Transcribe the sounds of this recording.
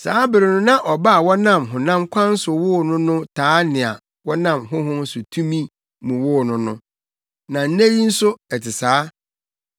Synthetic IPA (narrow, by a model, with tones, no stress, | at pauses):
saː˦bɪ˨ɾɪ˨nʊ̃˦nã˦ʔɔ˨ba˦a˨wɔ˦nã˦˨mɦʊ̃˨nã˦mkʷʰã˦n̩˦sʊ˨wʊ˦˨nʊ̃˦nʊ̃˦tʰaː˦nɪ̃˨a̰˨ | wɔ˦nã˦˨mɦʊ̃˦ɦʊ̃˦m˦sʊ˨tʰũ˦mĩ˦ | mʊ̃˨wʊ˦˨nʊ̃˦nʊ̃˦ | nã˨n̩˦ne˦ɾi˦n̩˦sʊ˦ɛ˨tʰɪ˨saː˨˦